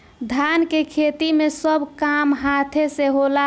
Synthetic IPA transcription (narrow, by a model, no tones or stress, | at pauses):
d̪ʱankekʰet̪imesəbʱkamɦat̪ʰeseɦola